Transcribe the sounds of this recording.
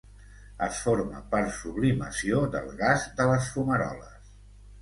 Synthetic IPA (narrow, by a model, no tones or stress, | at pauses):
əsfoɾmə̰pəɾsuβlimə̰siod̪ə̰lˠɣazd̪ələsfuməɾɔ̰ləs